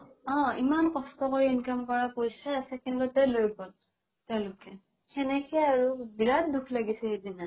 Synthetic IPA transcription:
ɔ̃imankɔstɔkoɹiinkamkɔɹapojsɛasɛkɛnlɔtɛlojbɔt | tːɛʊ̃lʊkɛ | kʰɛnɛkɛaɹubiɹatdukʰlaɡisɛedina

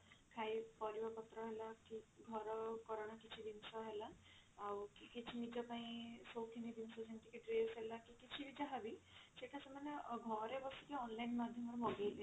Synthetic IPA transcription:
kʰajpɔɾibakɔt̪ɾɔɦelakiɡʱɔɾɔkɔɾaɽ̃akit͡ʃʰid̪insɔɦelaː | wkikit͡ʃʰinid͡ʒɔpaĩsowkʰinid̪insɔsent̪ikiʈɾesɦelakikit͡ʃʰibid͡ʒaɦabiseʈasamaneɡʱɔɾebɔsukeɔnlajnmad̪ʱjɔmɔɾɔbʱɔɡejle

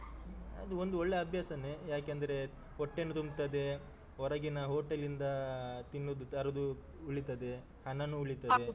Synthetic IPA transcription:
ɐ̰d̪uond̪uɔɭːeɐbʱjaːsɐnejaːkeɐnd̪ɐɾe̞ | oʈːenːut̪umt̪ɐd̪e̞ | ɦɔɾɐɡinɐɦoːʈɐlind̪ɐt̪inːod̪ut̪ɐɾɐd̪u | uɭit̪ɐd̪e̞ | hɐnɐnuuɭit̪ɐd̪e

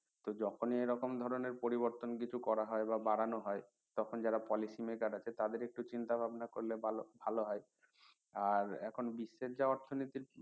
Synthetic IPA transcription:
t̪od͡ʑɔkʰoniejɾɔkomd̪ʱɔɾoneɾpoɾiboɾt̪onkit͡ɕʰukɔɾaɦɔebabaɽanoɦɔe | t̪ɔkʰond͡ʑaɾapɔlisimekaɖat͡ɕʰet̪ad̪eɾek̚ʈut͡ɕint̪abʱabnakoɾlebbʱaloɦɔe | aɾɛ̰kʰonbiʃːeɾd͡ʑaɔɾt̪ʰonit̪iɾ

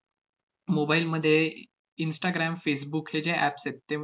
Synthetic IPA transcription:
mobailməd̪ʱːje | insʈaɡɾæmfes̬bukhed͡ʑeʔæpset̪ːe

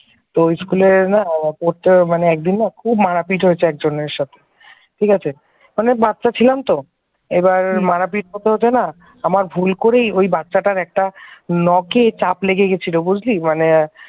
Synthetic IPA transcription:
t̪oojskuleɾnapoʈmaneɛk̚d̪inːakʰubmaɾapiʈɦojet͡ɕʰeɛk̚d͡ʑonːeɾʃat̪ʰe̥ | ʈʰikat͡ɕʰe | manebat̪ːat͡ɕʰilamt̪o | ebaɾmaɾapiʈɦot̪eɦot͡ɕʰena | amaɾbʱulkoɾejojbat̪ːɕaʈaɾɛk̚ʈanɔket͡ɕapleɡeɡet͡ɕʰilobud͡ʑʱlimane

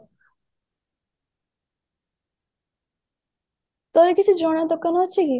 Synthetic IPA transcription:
t̪ɔɾekit͡ɕʰud͡ʑɔɽad̪okːanɦoɕʰeki

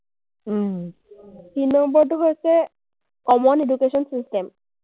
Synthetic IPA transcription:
tinːɔmbɔɹʈuɦojse | kɔmɔneɖukeʃɔnsisʈem

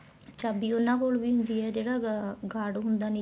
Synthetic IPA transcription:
t͡ʃaːbiːonãːkoːlʋiːɦʊ̃nd̪iːɛːd͡ʒeːɽaːɡaːɽɦʊnd̪aːne

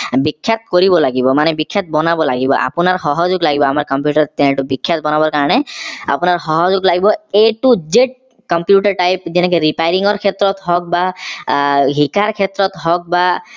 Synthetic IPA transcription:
bikʰːjat̪̚koɹibɔlaɡibɔmanɛbikʰːjat̪̚bɔnabɔlaɡibɔ̰ʔa̰pʊnaɹxɔɦɔzʊɡlaɡibɔamaɹkɔmpjuʈaɹt̪ɛnɛʈubikʰːjat̪̚bɔnabɔɹkaɹɔnɛa̰pʊnaɹxɔɦɔzʊɡlaɡibɔeʈuzeʈ̚ | kɔmpjuʈaɹʈajp̚zɛnɛk̬ɔɹipajɹiŋɔɹkʰɛt̪ɹɔt̪ɦɔk̚ba | ɦikaɹkʰɛt̪ɹɔt̪ɦɔk̚ba

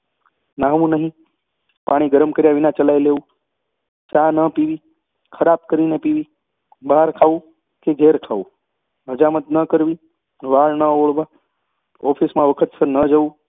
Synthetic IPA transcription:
nãɦʋũnəɦĩ | paɽ̃iɡəɾəmkəɾjaʋinãt͡ʃəlajleʋũ | t͡ʃãnəpiʋi | kʰəɾab̚kəɾinepiʋi | baɦaɾkʰaũ | keɡʱeɾkʰaʋũ | ɦəd͡ʒamət̪nəkəɾʋi | ʋaɭnəoɭʋa | ɔpʰismãʋəkʰət̪səɾnəd͡ʒəʋũ

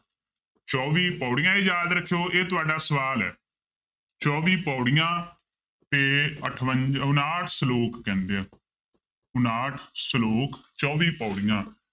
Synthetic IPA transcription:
t͡ʃɔːʋiːpɔːɽɪjãːeːjaːd̪ɾəkʰːejoːʔeːt̪ʊaːɖaːsəʋaːlɛ̰ː | t͡ʃɔːʋiːpɔːɽɪjãː | t̪eːəʈʰʋənʊnaːʈʰsloːkːɛ̃ːnd̪eãː | ʊnaːʈʰsloːkt͡ʃɔːʋiːpɔːɽɪjãː

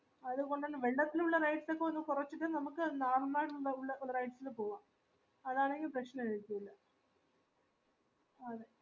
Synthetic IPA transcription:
ɐðuɣo̞ɳɖɐnːɐʋeɭɖɐt̪ːiluɭːɐrɐjʈso̞kːeonːukurɐt͡ɕːuʈːɨnɐmukːɨnaːrnaːɽuɭːɐuɭːɐuɭːɐrɐjʈsilpo̞ːʋaːm | ɐðaːɳe̞ŋɡilprɐɕnɐɐɻk̪ːuilːɐ | ɐðe

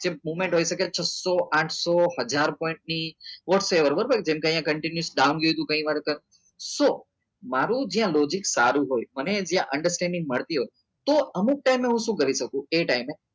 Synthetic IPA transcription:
d͡ʒemumẽɳʈɦojʃəket͡ʃʰəsoʔãʈʰsohəd͡ʒaɾpõĩɳʈ̚niʋɔʈseʋəɾbəɾbakd͡ʒemkeə̃j̃ãkəɳʈinjusɖawnɡəut̪ũkə̃ĩʋaɾkəɾ | so | maɾũd͡ʒijãlɔd͡ʒiksa̰ɾũɦojməned͡ʒjãʔəɳɖəɾsʈɛ̃ɳɖɪ̃ŋɡməɭt̪iɦoj | t̪oəmuk̚ʈaimeɦũʃũkəɾiʃək̚ũeʈaime

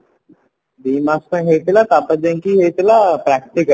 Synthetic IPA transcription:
b̪iːmaskẽɦet̪lat̪aːpəd͡ʒẽŋkiɦet̪elapɾɛk̚ʈɪkə

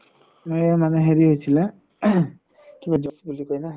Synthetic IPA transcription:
mojmanɛɦeɾiɦojsʰilɛ̃ | kibad͡ʒɔsbulikojnaɦ

